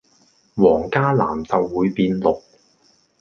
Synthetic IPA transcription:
wɔː˨˩ŋkaː˥la̰ː˨˩mt͡sɐ˨wːuː˨˧jpiː˧nlʊ˨k̚

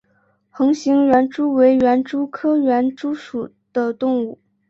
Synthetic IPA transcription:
xɤ˧˥ŋɕi˧˥ŋɥɛ˧˥nʈ͡ʂu˥we˧˥ɪɥɛ˧˥nʈ͡ʂu˥kʰɤ˥ɥɛ˧˥nʈ͡ʂu˥ʂu˨˩ | d̪̥ə˦t̪ʊ˥˧ŋu˥˩

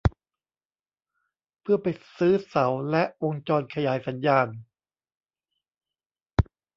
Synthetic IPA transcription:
pʰɯ˥˩ɐpa˨jsɯː˦˥sa˩˦wlɛ˦˥ʔʔo˧ŋt͡ɕɔː˧nkʰa˧jaː˩˦jsa˩˦njaː˧n

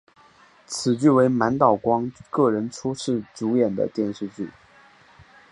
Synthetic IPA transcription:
t͡sʰɹ̩˨˩t͡ɕy˥˩we˧˥ɪma˧˥nt̪ɑ˨˩ʊkwɑ˥ŋkɤ˥˩ɻə˧˥nʈ͡ʂʰu˥ʂɻ̩˥˩ʈ͡ʂu˧˥jɛ˨˩nd̪ə̰˦t̪jɛ˥˧nʂɻ̩˥˧t͡ɕy̰˥˩

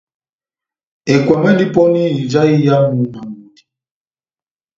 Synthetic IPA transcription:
ɛ˨kwa˨mɛ˦li˦pɔ˦niː˦˨d͡ʒa˦i˦ja˦mu˨˦ma˨mu˨di˨

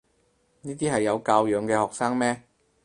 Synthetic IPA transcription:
niː˥t̪iː˥ɦɐ˨jːɐ˨˧wkaː˧wjœː˨˧ŋkɛː˧hɔː˨k̚saː˥ŋmɛː˥

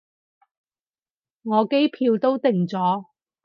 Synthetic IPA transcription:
ŋɔː˨˧ke˥jpʰiː˧wt̪o˥wt̪ɪ˨ŋt͡sɔː˨˥

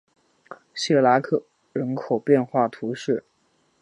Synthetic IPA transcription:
ɕɛ˥˩la˧˥kʰɤ˨˩ | ɻə˧˥nkʰo˨˩ʊpjɛ˥˧nxwa˥˩t̪ʰu˧˥ʂɻ̩˥˩

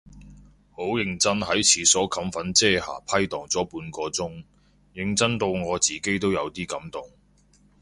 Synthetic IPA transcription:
ho˨˥wjɪ˧ŋt͡sɐ˥nɦɐ˨˥jt͡sʰiː˨˧sɔː˨˥kʰɐ˨˥mfɐ˨˥nt͡sɛː˥ha̰ː˨˩pʰɐ˥jt̪ɔː˨˩ŋt͡sɔː˨˥puː˨˧nkɔː˧t͡sʊ˥ŋ | jɪ˨˧ŋt͡sɐ˥nt̪o˧wŋɔː˨˧t͡siː˨ke˥jt̪o˥wjɐ˨˧wt̪iː˥kɐ˨˥mt̪ʊ˨ŋ

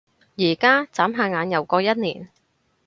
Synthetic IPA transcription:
jiː˨˩kaː˥t͡saː˨˥mɦaː˧ŋaː˨˧˥njɐ˨˩wkɔː˧jɐ˥t̚niː˨˩n

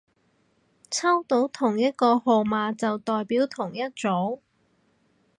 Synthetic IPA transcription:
t͡sʰɐ˥wt̪o˨˥wt̪ʰʊ˨˩ŋjɐ˥t̚kɔː˧ho˨wmaː˨˧t͡sɐ˨wt̪ɔː˨jpiː˨˥wt̪ʰʊ˨˩ŋjɐ˥t̚t͡so˨˥w

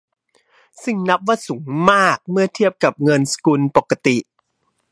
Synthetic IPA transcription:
sɯ˨˩ŋna˦˥p̚waː˥˩suː˩˦ŋmaː˥˩k̚mɯ˥˩ɐt̪ʰi˥˩əp̚ka˨˩p̚ŋɤ˧nsḁ˧kuː˧npo˨˩kːa˧t̪i˨˩ʔ

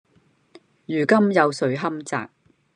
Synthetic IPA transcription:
jyː˨˩kɐ˥mjɐ˨˧wsɵ˨˥ɥɦɐ˥mt͡sa̰ː˨k̚

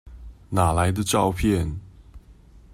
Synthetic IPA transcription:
na˨˩la˨˦ɪd̪ə˧ʈ͡ʂɑ˥˧ʊpʰjɛ˥˨n

